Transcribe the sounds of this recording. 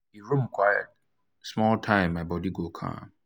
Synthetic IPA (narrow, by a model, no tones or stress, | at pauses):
iɹũmkʰwajə̰t̚ | smɔltʰãɪ̃mːaɪbɔdiɡokʰã̰m